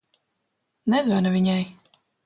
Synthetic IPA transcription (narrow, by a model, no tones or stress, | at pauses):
nɛzvanavʲiɲaj